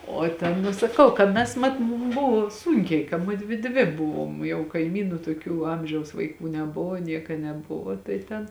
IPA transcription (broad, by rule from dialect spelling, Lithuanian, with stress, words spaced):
oː ˈtʲɛn nʊ sɐˈkɐʊ kɐ ˈmʲɛs ˈmɐt mʊm ˈbʊʋoː ˈsuːŋʲkʲɛɪ kɐ ˈmʊdʲʋʲɪ ˈdʲʋʲɪ ˈbʊʋoːm jɛʊ kɐɪˈmʲiːnʊ toːˈkʲuː ˈɐmʲʒʲɛʊs ʋɐɪˈkuː nʲɛˈbʊʋoː ˈnʲiɛkɐ nʲɛˈbʊʋoː tɐɪ ˈtʲɛn